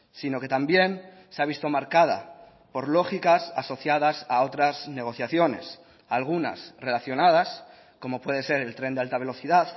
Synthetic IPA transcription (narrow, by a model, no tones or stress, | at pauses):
sino̞ke̞t̪ambje̞n | seaβist̪o̞maɾkað̞a̰ | po̞ɾlo̞xikasaso̞θjað̞asaot̪ɾazne̞ɣ̞o̞θjaθjo̞ne̞̰s | alɣ̞una̰sre̞laθjo̞nað̞as | ko̞mo̞pwe̞ð̞e̞se̞ɾe̞lt̪ɾend̪alt̪aβ̞e̞lo̞θiðað